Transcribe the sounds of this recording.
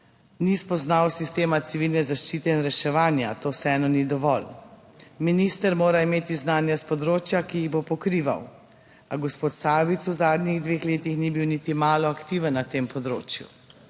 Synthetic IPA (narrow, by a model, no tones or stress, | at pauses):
nispɔznawsist̪eːmat̪siʋilnɛzaʃt͡ʃiːt̪ɛinɾɛʃɛʋaːnjat̪oːwsɛɛnɔnid̪ɔʋɔl | minist̪əɾmoːɾaimeːt̪iznaːnjaspɔd̪ɾoːt͡ʃjakijiɣbopɔkɾiːʋa̰w | aɡɔspoːt̪saːʋit̪suzaːd̪niɣd̪ʋeːxleːt̪ixnibiwnit̪imaːlɔakt̪iʋənːat̪eːmpɔd̪ɾo̰ːt͡ʃjṵ